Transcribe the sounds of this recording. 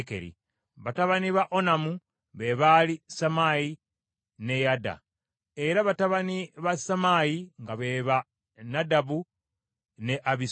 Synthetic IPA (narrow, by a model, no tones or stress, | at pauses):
kḛɾḭ | βataβaniβaʔonamu | βe̞βalisamaji | ne̞jada̰ | eɾaβataβaniβasamajiŋɡaβe̞βa | nadaβu | ne̞ʔaβi